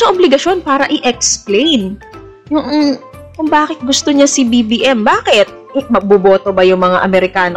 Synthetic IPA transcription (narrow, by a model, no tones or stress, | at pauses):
sɐʔoblɪɡɐʃo̞npaːɾɐʔɪʔɛksplejn | jʊŋ̩ | kʊŋbaːkɪt̪̚ɡʊst̪oɲasibibiːʔɛmbaːkɪt̪̚ | mɐɡ̚bʊboːt̪obɐjʊŋmɐŋa̰ʔɐmɛɾɪkaːno